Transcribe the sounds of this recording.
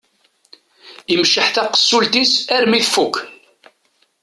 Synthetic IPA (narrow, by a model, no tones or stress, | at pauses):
imʃəħθæqə̥sːult̪isæɾmiθfukː